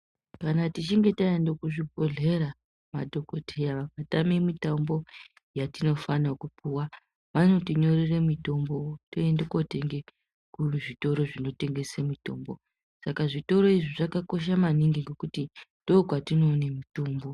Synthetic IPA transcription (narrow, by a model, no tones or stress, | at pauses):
kanatit͡ʃiŋɡe̞taendokuʐipoɮe̞ɾa | madʱoko̞tʰejaʋak̚atamemitambo̞ | jatino̞fanakupuwa | mano̞tiɲo̞ɾeremito̞mbo̞toendekoteŋɡe | kuʐito̞ɾo̞ʐino̞te̞ŋɡe̞semito̞̰ːmbo̞ | sakaʐito̞ɾo̞iʐiʐakako̞ʃ̬amaniŋɡiŋɡekutindo̞kwatino̞ːnemitoːmbo̞